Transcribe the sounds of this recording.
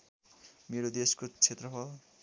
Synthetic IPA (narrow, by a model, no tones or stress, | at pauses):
meɾod̪eskot͡sʰet̪rʌpʰʌ